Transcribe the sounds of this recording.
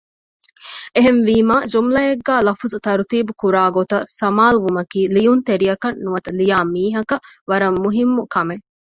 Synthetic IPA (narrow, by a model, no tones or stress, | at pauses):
eɦenʋiːmaːd͡ʒumlɐeɡːæːlɐfuzut̪ɐɾut̪iːbukuɾaːɡot̪ɐsɐmaːluʋumɐkiːlijunt̪eɾijɐkɐnːuʋɐt̪ɐlijaːmiːɦɐkɐʋɐɾɐmːuɦimːukɐme